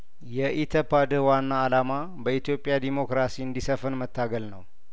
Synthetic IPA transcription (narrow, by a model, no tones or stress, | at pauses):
jɛʔit̪ʰəpad̪ɨhwanːaːlama | bəit̪jo̞pʼːjad̪imo̞kɾasiɨnd̪isəfənmət̪ʰːaɡəlnəw